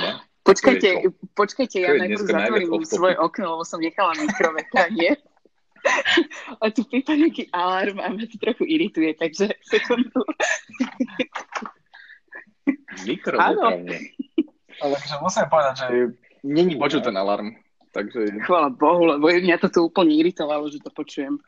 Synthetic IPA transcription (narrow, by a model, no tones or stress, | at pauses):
pɔt͡ʃkajcɛpɔt͡ʃkajcɛjanajɾzat̪ʋɔɾimsʋɔjɛʔɔknɔlɛbɔsɔmɲɛxalamikɾɔʋɛt̪ɾaɲɪɛ | at̪upɾit̪alɲɪakiːʔalaɾmamɲat̪i̥t̪ɾɔxuʔiɾit̪ujɛt̪aɡʒɛsɛkund̪u | mikɾɔanɔɲɛ | alɛakɔʒɛmusimpɔʋɛd̪aɟʒɛ | ɲɛɲipɔt͡ʃut̪ɛnala̰ɾm | t̪aɡʒɛxʋaːlabɔɦulɛbɔjɛmɲat̪ɔt̪uuːpl̩ɲɛiɾit̪ɔʋalɔʒɛt̪ɔpɔt͡ʃujɛm